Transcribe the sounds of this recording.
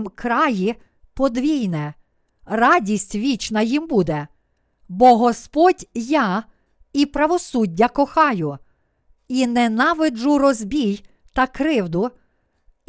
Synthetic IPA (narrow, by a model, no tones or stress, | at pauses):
mkɾɑji | pɔd̪ʋʲijnɛ | rɑdʲisʲtʲʋʲit͡ʃnɐjimbud̪ɛ | bɔɦɔspɔdʲjɑ | ipɾɐʋɔsudʲːɐkɔxɑjʊ | inɛnɑʋɪd͡ʒʊɾɔzbʲij | t̪ɐkɾɪwd̪ʊ